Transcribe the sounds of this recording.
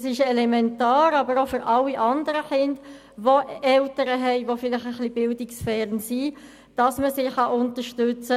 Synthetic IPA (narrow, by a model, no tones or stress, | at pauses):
sɪʃɛlɛmɛntɑːɾɑbəɾofʏɾʔɑlːiʔɑndəɾəχɪnd | ʋoɛltəɾəɦɛɪʋofɪlɪχəχlib̥ɪldɪksfɛːɾənsi | d̥ɑsməsɪɑʔʊntəɾʃtʏt͡sə